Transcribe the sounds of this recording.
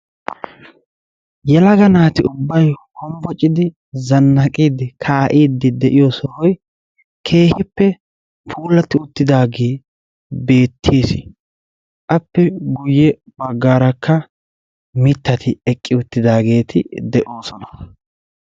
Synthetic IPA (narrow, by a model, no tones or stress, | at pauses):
jɛlɐɡɐnaːt̪ɪʊbːɐjkɔmbɔt͡ʃʼːɪd̪ɪ | zɐnːɐkʼiːd̪ɪkʰaːʔiːd̪ɪd̪ɛʔɪjɔːsɔhɔj | kʰe̞ːhɪpːɛ | pʰuːlːɐt̪ːɪʊt̪ːɪd̪aːɡeː | be̞ːt̪ʰːeːsɪ̰ | ʔɐpːɛɡʊjːɛ | bɐɡːaːɾɐkːɐ | mɪt̪ːɐt̪ʰɪɛkʼːɪʊt̪ːɪd̪aːɡe̞ːt̪ɪ̰d̪ɛʔo̞ːsɔnɐ̥